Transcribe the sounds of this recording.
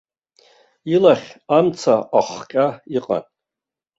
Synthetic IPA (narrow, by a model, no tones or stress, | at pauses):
ilaχʲamt͡sʰaʔaχʷkʲʼaiqʼa̰n